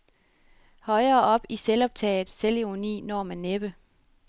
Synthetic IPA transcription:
hɒ̽ɪɐːʔɒ̽b̥iselɒ̽b̥̚t͡sʰɛ̰ːð̩ˠseleʁonḭːnɒːmænːeb̥ə

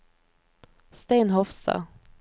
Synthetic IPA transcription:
st̪eɪnɦɔfsɑ̰

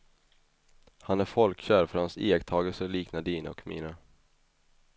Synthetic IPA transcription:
hanæɾfɔlkɕæːɾfœɾhanseːɛkt̪ʰɑːɡəlsəliːknad̪iːna̰ɔ̰kmḭːnə

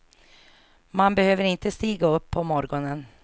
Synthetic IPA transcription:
manbɛhøːvəɾɪnt̪əst̪iːɡaɵpʰːɔmɔɾɡɔnən

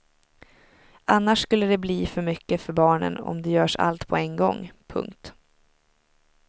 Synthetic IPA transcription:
ʔanːaʂskɵlːəd̪ɛbliːfœɾmʏkːəfœɾbɑːɳə̰nɔ̰md̪ɛjœːʂa̰lt̪pʰɔɛnɡɔ̰ŋːpʰɵ̰ŋkt̪

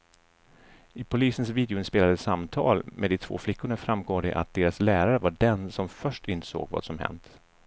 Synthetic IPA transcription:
ɪpʰʊliːsənsviːd̪ɛʊɪnspeːlad̪əsamt̪ʰɑ̰ːlmed̪ɪt̪ʰv̥o̰ːflɪkːʊɳafɾamɡoːd̪ɛ̰ʔat̪̚d̪eːɾaslæːɾaɾəvaɖɛnsɔmfœʂʈɪnt̪ə̥so̰ːɡvɑ̰ːd̪sɔmhɛ̰nt̪

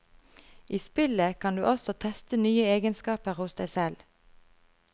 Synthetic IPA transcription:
ʔiːspɪləkʰɑnd̪ʉ̰ːʔɔsɔt̪ʰɛst̪ənyːəeːɡənskɑːpəʁhʊsd̪æɪsɛl

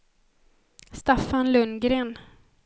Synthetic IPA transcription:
st̪afanlɵnɡɾeːn

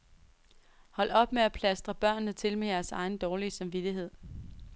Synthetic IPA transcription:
hɒ̽l̰ɒ̽b̥meæpʰlæsd̥ʁɐb̥ɶɐ̰nːət͡sʰe̝lmejæɐsɑ̈ɪn̩d̥ɒːliəsɑ̈mʋid̥iɦe̝ð̞̰ˠ

